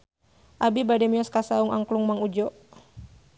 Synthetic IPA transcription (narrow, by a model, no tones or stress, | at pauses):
ʔabibadɛmiɔskasauŋʔa̰ŋkluŋmaŋud͡ʒɔʔ